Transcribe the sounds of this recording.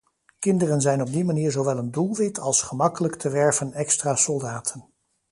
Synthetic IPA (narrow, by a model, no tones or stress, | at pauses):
kɪndərənzɛjnɔb̚dimaniːɹzowʋɛlˠəndulˠʋɪtʰɑlˠsχəmɑkələktəʋɛɹvənɛkstraːsɔlˠdaːtʰən